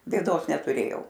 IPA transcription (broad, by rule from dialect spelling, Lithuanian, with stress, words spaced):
bʲeːˈdoːs nʲɛtʊˈrʲeːjɛʊ